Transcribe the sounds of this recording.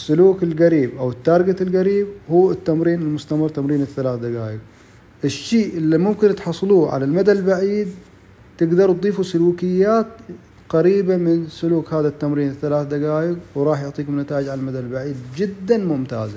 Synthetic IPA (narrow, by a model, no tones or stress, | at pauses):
sːʊluːkɪlɣaɾiːbʔawɪt̪ːɑɾˤɡat̪ɪlɣaɾiːbhuːɪt̪ːamɾiːnɪlmʊst̪amɨrˤt̪amɾiːnɪθːalaːθd̪aɡaːjɪq̚ | ʔɪʃːiːʔʔɪlːimʊmkɪnt̪ħɑsˤːluːʕa̰lalmad̪albaʕiːd̪̚ | t̪ɪɡd̪ɑɾˤt̪d̪ˤiːfusʊluːkɪjːaːt̪ | qɑɾiːbamɪnsʊluːkhaːðat̪ːamɾiːnɪθːalaːθd̪aɡaːjɪqwɾˤɑːħjʊʕt̪ˤiːkʊmnat̪aːʔɪd͡ʒʕalalmad̪albaʕiːd̪̚d͡ʒɪd̪ːanmʊmt̪a̰ːza